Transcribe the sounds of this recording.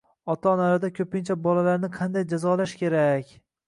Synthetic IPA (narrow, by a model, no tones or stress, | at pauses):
ɒt̪ʰanaɾad̪akʲʰɵpɪnt͡ʃʰabɒlalaɾnɪqʰɑnd̪ajd͡ʒazɒlaʃkʲʰe̞ɾakʲ